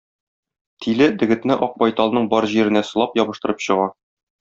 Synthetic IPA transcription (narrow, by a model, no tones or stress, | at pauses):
t̪ʰilɘd̪ɘ̆ɡɘ̆t̪nɘʔɒq̚bɒjt̪ɑlˠnɤɴbɒɾʑiɾɘ̆næsɤ̆lˠɑpjɒbɤ̆ʃt̪ɤ̆ɾɤpɕɤ̆ʁɑ